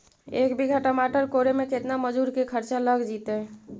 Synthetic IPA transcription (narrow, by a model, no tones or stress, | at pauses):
ekbʱiɡʱaʈamaʈəɾkoɾemeket̪naməd͡ʒuɾkekʰəɾt͡ʃaləɡd͡ʒit̪e